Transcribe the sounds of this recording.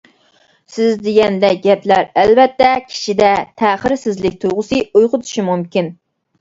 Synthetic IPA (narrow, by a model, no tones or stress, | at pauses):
sɪzd̪eɡʲɛnd̪ɛɡʲɛplæɾɛlvɛt̪ːɛkʲʰi̥ʃid̪ɛt̪ʰæːχəɾsɪzlɪk̚ʲt̪ʰuʁʊsɨujqʊt̪ʰu̥ʃimumkʲin